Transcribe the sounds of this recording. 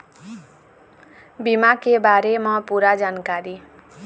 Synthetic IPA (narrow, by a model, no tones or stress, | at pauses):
bimakebaɾemʌpuɾad͡zankaɾi